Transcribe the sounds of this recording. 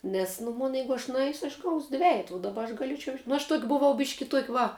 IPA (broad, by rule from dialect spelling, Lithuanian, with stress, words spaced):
ˈnʲɛs nʊ ˈmoːn ˈjɛɪɡʊ ɐʃ nʊˈɛɪsʲʊ ɐʃ ɡɐʊsʲ ˈdʲʋʲæːjɛtʊ ʊ dɐˈbɐ ɐʃ ɡɐˈlʲeːt͡ʃʲɛʊ nʊ ɐʃ tuɔkʲ bʊˈʋɐʊ ˈbʲɪʃʲkʲɪ ˈtuɔkʲ ˈʋɐ